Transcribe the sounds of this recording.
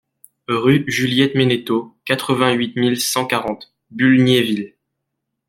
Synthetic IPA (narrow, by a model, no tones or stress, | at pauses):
ʁyʒyljɛt̪menet̪okat̪χəvɛ̃ɥit̪milsɑ̃kaʁɑ̃t̪ | bylnjevil